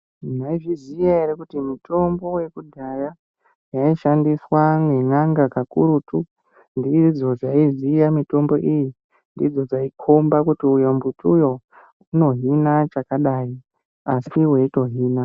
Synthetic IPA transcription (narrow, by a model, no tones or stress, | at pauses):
naiʐizijaeɾekutimutʰo̞mbo̞we̞kudʱaja | jaiʃandiswaŋe̞ŋaŋɡakakuɾutu | ndid͡zo̞d͡zaizijamito̞mbo̞ʔiji | ndid͡zo̞d͡zaikʰombakutiujambutʰujo̞ | uno̞ɦinat͡ʃakaɗai | asiwe̞ito̞ɦiːna